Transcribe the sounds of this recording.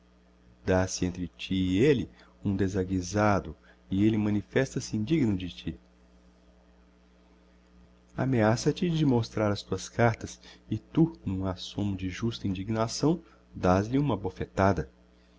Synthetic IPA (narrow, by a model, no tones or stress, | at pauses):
d̪asɪẽnt̪ɾɪt͡ʃiɪelɪ | ũd̪ezaɡizad̪ʊ | ɪelɪmɐ̃nifɛst̪ɐsɪĩnd͡ʒiɡnʊd͡ʒɪt͡ʃi | a̰measɐt͡ʃɪd͡ʒɪmost̪ɾaɾɐst̪uɐskaɾt̪ɐsɪt̪unũasõmʊd͡ʒɪʒust̪ɐĩnd͡ʒiɡnasɐ̃w̃ | d̪azlɪũmɐbofet̪ad̪ɐ